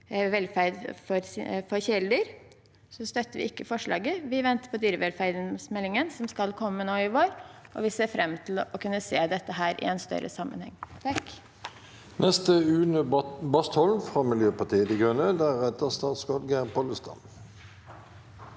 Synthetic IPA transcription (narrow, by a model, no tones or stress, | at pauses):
ʋɛlfæɾd̪fɔɾfɔɾçɛld̪əɾ | sɔst̪œt̪ːəɾʋɪ̰ɪkːəfɔʂɭɑ̰ːɡəʋɪʋɛnt̪ə̥pʰɔd̪yːɾəʋɛlfæɾd̪nsmɛlːɪŋənsɔmskɑlkʰɔmːənoːɪʋoːɾʔɔ̰ʋɪseːfɾɛmːt̪ʰɪl̩ɔkʰʉnːəseːd̪ɛt̪ːəɦæːɾʔɪ̰ɛnst̪œ̰ɾə̰sɑmːə̰nhɛ̰ŋːt̪ʰɑk | nʔɛst̪əʉːnəbɑst̪hɔlnfʁɑːmɪljøːpɑt̪iːəd̪ɪɡʁœnəd̪æʁɛt̪əst̪ɑːt̪skɔlɡæʁpɔləst̪ɑ̰m